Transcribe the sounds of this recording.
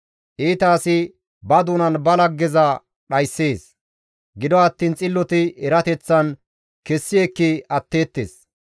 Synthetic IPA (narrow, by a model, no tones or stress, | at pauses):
ʔiːt̪aːsɪ | bɐd̪uːnɐnbɐlɐɡɛzɐ | ɗɐjsːe̞ːs | ɡɪd̪ɔɐt̪ːiːnt͡sʼɪlːɔt̪ɪɛɾɐt̪ɛt͡sːɐn | kɛsːɪjɛkːɪɐt̪ːe̞ːt̪ːḛːs